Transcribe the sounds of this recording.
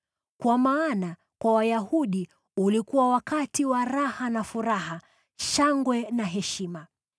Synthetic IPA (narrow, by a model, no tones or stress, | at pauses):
kwamaːna | kwawajahuɗi | ulikuwawakatiwaɾahanafuɾaɦa | ʃaŋɡwɛnaɦɛʃima